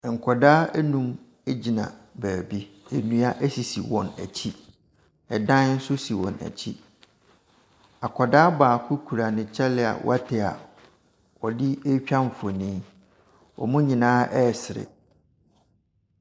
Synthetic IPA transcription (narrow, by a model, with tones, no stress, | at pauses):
ŋ̩˨kʰɔ˨daː˦æ˦nũ˦m | e˦d͡ʑi˨nã̰˨bæː˨bi˦e˨nũ˦a˦ʔæ˦si˨si˨wɔ̰̃˨næ̰˨t͡ɕʰi˦ | ɛ˨dã˦n˦n̩˦sʊ˦si˨wɔ̰̃˨næ̰˨t͡ɕʰi˦ | a˨kʰɔ˨daː˦baː˨kʰʊ˦kʰu˨ɾa˨nɪ̃˨t͡ɕʰɛ˦lɪ˦a̰˨wʔɔ̰˦a˦tʰɪ˨a̰˨ | ɔ˨dɪ˦e˦t͡ɕᶣã˦ɱ˨fɔ˨nĩː˦ | ɔ̰˨mʊ̃˦ɲĩ˨nãː˦ʔɛ˦˨sɪ˨ɾɪ̰˨